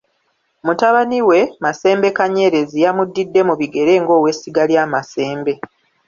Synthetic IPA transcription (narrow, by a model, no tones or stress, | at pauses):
mutaβaniwe̞mase̞ːmbe̞kaɲe̞ːɾe̞zijamudːidːe̞muβiɡe̞ɾe̞ːŋɡo̞ːwe̞siɡaljaːmase̞ːmbe̞